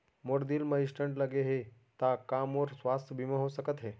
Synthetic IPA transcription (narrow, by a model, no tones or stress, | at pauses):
moɾd̪iːlməiʂʈəɳʈləɡeɦe | t̪akamoɾsʋast̪ʰəbʱiməɦosəkət̪ɦe